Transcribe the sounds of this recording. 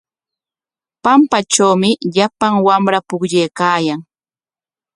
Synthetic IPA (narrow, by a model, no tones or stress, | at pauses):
pampat͡ʃawmɪʎapaŋwamɾapʊkʎejkaːjaŋ